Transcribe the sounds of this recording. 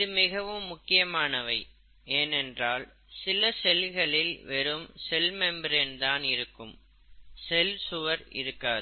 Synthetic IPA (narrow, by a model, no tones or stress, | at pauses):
ɪðɯmɪɣɐʋɯmːʊkːɪjɐmaːnɐʋɐɪ | eːnɛndraːl | sɪlɐsɛlɣɐɭɪlʋɛɾɯmsɛlmɛmbɾɛnd̪aːnɪɾɯkːɯm | sɛlsʊʋɐɾɪ̰ɾɯkːaːð